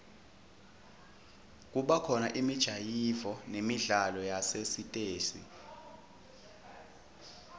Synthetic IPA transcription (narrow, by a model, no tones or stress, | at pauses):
k̬ʼuɓakʰɔnaʔimid̥ʒ̥ʱajivɔnemiɮalɔjasesitʼeːsḭ